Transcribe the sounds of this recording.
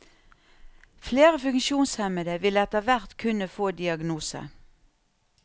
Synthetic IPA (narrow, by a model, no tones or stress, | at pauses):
fleːʁəfʉŋkʃuːnshɛməd̪əʋɪləɛt̪əʋæʁt̪kʰʉnəfoːd̪ɪɑɡnuːsə̰